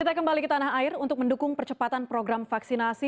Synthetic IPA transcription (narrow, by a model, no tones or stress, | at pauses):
kit̪akəmbalikət̪anaɦaɪrunt̪ʊk̚məndukʊŋpərt͡ʃəpat̪anpɾoɡɾamfaksinasi